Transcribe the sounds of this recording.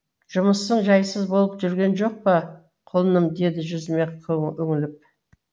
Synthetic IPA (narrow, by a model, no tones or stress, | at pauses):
ʒ̥ʊməsːəɴʒɑjsəzbo̞lˠəpʒʏɾɡʲe̞nʒo̞q̚pə | qʰolˠənəmd̪e̞d̪ɪʒʏzɪme̞qʰɵŋɪlɪp̚